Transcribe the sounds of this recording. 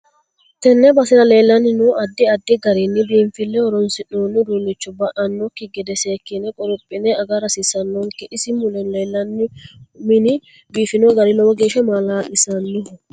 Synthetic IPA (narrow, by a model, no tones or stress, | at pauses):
t̪ɛnːɛbɐsɪnɐle̞ːlːɐnːɪnuʔɐd̪ːɪɐd̪ːɪɡɐɾinːɪbiːɱfɪlːɛhɔɾɔnsɪnːoːnːɪd̪uːnːɪt͡ʃːʊbɐʔɐnːɔkːɪɡɛd̪ɛseːkːɪnɛkʼɔɾʊpʼːɪnɛɐɡaɾɐsisɐnːɔŋkɛʔɪsɪmʊlɛnleːlːɐnːɪmɪnɪ | biːfɪnoɡɐɾɪnɔwɔɡeːʃɛmalaːʔɪsɐnːɪdʊ